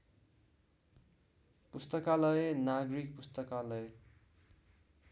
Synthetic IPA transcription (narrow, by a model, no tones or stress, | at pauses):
pust̪ʌkalʌenaɡrik̚pust̪ʌkalʌe